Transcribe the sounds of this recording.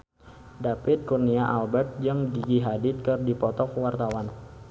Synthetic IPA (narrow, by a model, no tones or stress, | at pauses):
dapɪt̪̚kurniaʔalbɛrt̪̚d͡ʒaŋdiɡiɦadit̪̚kərdipɔt̪ɔkwart̪awan